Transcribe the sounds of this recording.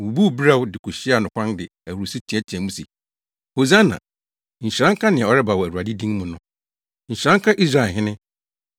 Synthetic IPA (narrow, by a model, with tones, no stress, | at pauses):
u˨bu˦˨bi˦ɾa˦˨wʊ˦dɪ˨kʰu˨ɕi˦a˨nʊ̃˨kʷʰã˦ndɪ˨æ˨wo˨si˦tʰi˨˦ɛ˦t͡ɕʰɛ̃˨mũ˦si˨ | ho˨zã˦nã̰˨ | ɲ̩˨ɕɾã˦ŋ˦kʰa˦nɪ̃˨ã˨ɔ˨ɾɛ˦ba˨wɔ˨æ˨ɾu˨a˨dɪ˦dĩ˦ŋmʊ̃˨nʊ̃˦ | ɲ̩˨ɕã˦ŋkʰa˦ʔi˦s̬ɾa˨ɦɪ̃˦nɪ̃˦